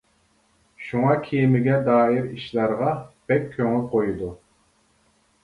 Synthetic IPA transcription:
ʃuŋɑkʲʰijɪmɪɡʲɛd̪ɑːjiɾiʃlæɾʁɑb̥ɛkʲʰːøŋɪlqʰojud̪u

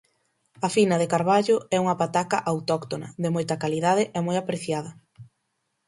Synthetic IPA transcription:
ɐfinɐðekaɾβaʎʊɛuŋɐpat̪akɐʔawt̪ɔkt̪onɐ̰ðɪmojt̪ɐkaliðaðɪʔɛmojapɾeθjaðɐ

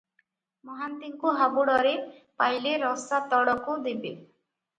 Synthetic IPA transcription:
mɔɦant̪iŋkuɦabuɽɔɾepajleɾɔsat̪ɔɽɔkud̪ibe

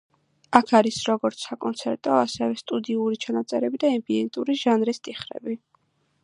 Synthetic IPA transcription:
akʰaɾisɾɔɡɔɾt̪sʰakʼɔnt̪sʰɛɾt̪ʼɔasɛvɛst̪ʼud̪iuɾit͡ʃʰanat̪sʼɛɾɛbid̪aɛmbiɛnt̪ʼuɾiʒ̥anɾist̪ʼiχɾɛ̰bi

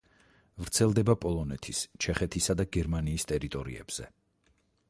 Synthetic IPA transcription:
vɾt̪sʰɛlˠd̪ɛbapʼɔlˠɔnɛt̪ʰist͡ʃʰɛχɛt̪ʰisad̪aɡɛɾmaniːst̪ʼɛɾit̪ʼɔɾḭɛ̰b̥z̥ɛ̰

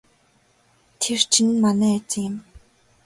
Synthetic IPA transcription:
t̪ʰert͡ɕʰinmanæːt͡ɕɪ̆ŋjɪ̆m

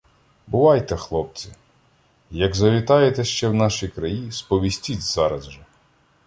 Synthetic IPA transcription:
bʊʋɑjt̪ɛxlˠɔp̚t͡sʲi | jɐɡzɐʋʲit̪ɑjet̪ɛʃt͡ʃɛwnɑʃijkɾɐjispɔʋʲisʲtʲit͡sʲz̥ɑɾɐzʒɛ

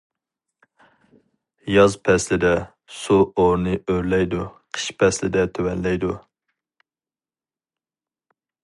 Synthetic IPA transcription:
jɑzpʰɛslɪd̪ɛ | suoɾnɨøɾlɛjd̪uqʰə̥ʃpʰɛslɪd̪ɛt̪ʰøwɛnlɛjd̪u

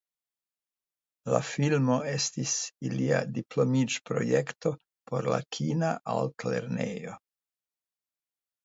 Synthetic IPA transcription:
la̰filmo̞e̞stisiliadiplomid͡ʒpɾo̞̰jekto̞ | pʰo̞ɾla̰kʰinaʔaltleɾnejo̞

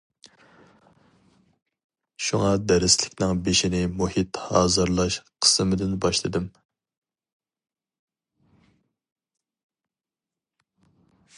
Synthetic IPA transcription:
ʃuŋɑd̪ɛɾɪslɪkʲnɪŋbeʃinɪmuhit̪hɑːzɨɾlˠɑʃqʰə̥sɨmɪd̪ɪnbɑʃlˠɨd̪ɪm

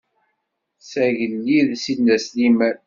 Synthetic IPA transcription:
sæʝəlːiðsinːæslimæɾ

